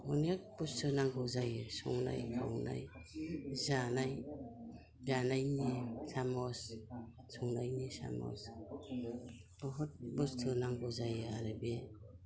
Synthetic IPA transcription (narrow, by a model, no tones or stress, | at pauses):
ɔnjak̚bɔstʰɯnaŋɡɔzajɯsɔ̰ŋna̰jkʰawna̰j | zanaj | zanajnisamɔs | sɔŋnajnisa̰mɔ̰s | ɔɦɔt̚bɔstʰɯnaŋɡɔzajɯaɾɯbe